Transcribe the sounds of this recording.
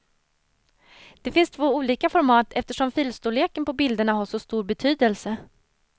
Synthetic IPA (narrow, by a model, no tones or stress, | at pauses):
d̪̥ɛfɪnst̪ʰvoːuːliːkafɔɾmɑːt̪ʰɛft̪əʂɔmfiːlst̪uleːkənpɔbɪld̪əɳaɦaʂɔst̪uːɾbɛt̪ʰyːd̪əlsə